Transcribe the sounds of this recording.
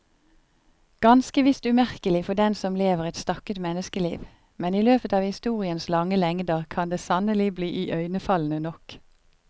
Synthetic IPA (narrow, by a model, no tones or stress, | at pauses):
ɡ̥ɑnskəʋɪst̪ʉmæʁkəlɪfɔd̪ɛnsɔmleːʋəʁɛt̪st̪ɑkət̪mɛnəskəlḭːʋ | mɛniːløːpət̪ɑːʋhɪst̪uːʁɪənslɑŋəlɛŋd̪əʁkʰɑnd̪eːsɑnəlɪbliːʔiːʔœʏnəfɑln̩ənɔk